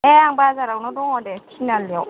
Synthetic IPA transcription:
ɛaŋbazaɾawnɔdɔŋɔdɛtʰinaliɔ

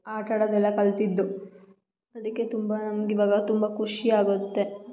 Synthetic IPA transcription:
aːʈɐɽɐd̪ɛlːɐkɐlt̪id̪ːu | ɐd̪ɐkːe̞t̪umbɐnɐmɐɡiʋaːɡɐt̪umbɐkʰuʂiaːɡut̪ːe

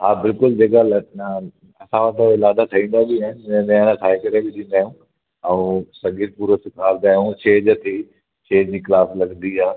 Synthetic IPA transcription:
ɦaːbɪlkʊld͡ʑeːk̬al | ɐsãʋãt̪ʰaɪlaːd̪at̪ʰɐĩːn̆d̪abɪaɦɪnmẽnãʈʰaːɦekɐɾebɪt̪ʰĩːnd̪aːjũː | ɛ̃ũsɐŋɡɪɾpuːɾosɪkʰaːɾd̪aːjũt͡ʃeːd͡ʑət̪ʰi | t͡ʃeːd͡ʑd͡ʑiːklaːslɐɡnd̪iaː

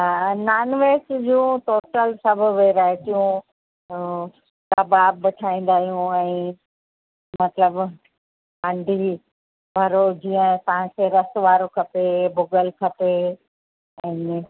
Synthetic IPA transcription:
naːnʋeːsd͡ʑũːt̪oːʈəlsɐbʱʊʋeɾaːɦet̪ijũ | t̪ɐbaːbːɪʈʰaːĩːn̆d̪aːɦijũɛ̃ː | mɐt̪ləb | ãːɳɖʱi | bʱɐɾod͡ʑiːə̃t̪ɐʋ̤ãkʰeɾɐst̪ʋaːɾokʰɐpebʊɡəlkʰɐpe | ɛ̃ː

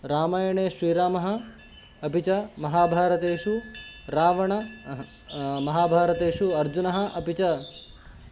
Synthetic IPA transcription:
ɾaːmaːjɐɳeːʃɾiːɾaːmɐɦɐ̆ | ɐpit͡ʃɐmɐɦaːbʱaːɾɐt̪eːʂuɾaːʋɐɳɐ | mɐɦaːbʱaːɾɐt̪eːʃuɐɾd͡ʒunɐɦɐ̆ʔɐpit͡ʃɐ

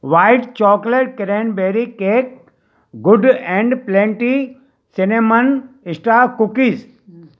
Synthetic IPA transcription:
ʋaːɪɖt͡ʃɔːkleʈ̚kɪɾenbeːɾikeːk̚ | ɡʊɖɛ̃ɳɖplẽːɳʈi | sɪnemɐnɪsʈakukiːz

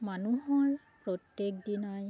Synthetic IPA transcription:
manuɦɔɹ | pɹɔtjek̚dinaj

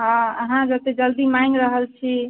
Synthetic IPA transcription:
ɦãəɦãd͡ʒət̪ed͡ʒəld̪imaiŋɾəɦəlt͡ʃʰi

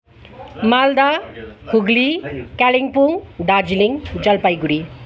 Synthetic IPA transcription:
mald̪ahʰuɡlikaliŋpuŋd̪ad͡zliŋd͡zʌlpajɡuɾi

